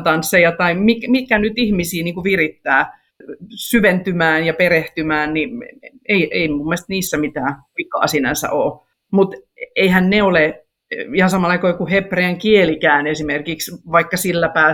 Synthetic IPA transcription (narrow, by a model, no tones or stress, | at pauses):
t̪ɑnsːejɑt̪ɑimikmikænyt̪ihmisiːniːŋkuʋirit̪ːæː | syʋent̪ymæːnjɑpereht̪ymæːnnieiʔeimumːest̪niːsːæmit̪æː | ikɑ̰ːsinæ̰nsæ̰ʔoː | mut̪ | eihænneole | ihɑsɑmɑlɑikoikuhepreæŋkielikæːnesimerkiksʋɑikːɑsilːæpæː